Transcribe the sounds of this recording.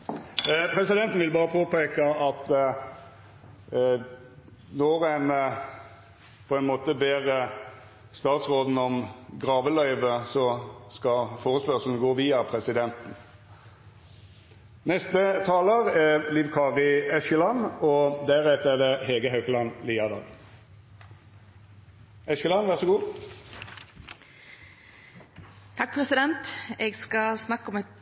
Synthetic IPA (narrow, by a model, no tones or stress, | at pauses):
pʰʁɛsɪd̪ɛnt̪n̩ʋɪlbɑːʁəpʰoːpeːkɑɑt̪ | nɔʁɛn | pʰɔɛɪnmoːt̪əbeːʁ | st̪ɑːt̪sʁoːd̪n̩ɔmɡʁɑːʋəlœʏʋəsɔskɑfoːʁəspœʁʂl̩n̩ɡoːʋiːɑpʰʁɛsɪd̪ɛnt̪n̩ | nɛst̪ət̪ʰɑːləʁɛliʋkʰɑːʁɪɛʃəlɑnɔd̪æʁɛt̪ɛʁd̪ɛheːɡəɦœʉkəlɑnliːɑd̪ɑ̰ːɡ | ɛʃəlɑnʋæʁsəɡuː | t̪ʰɑk̚pʰʁɛsɪd̪ɛnt̪eːɡskɑsnɑkːɔmɛt̪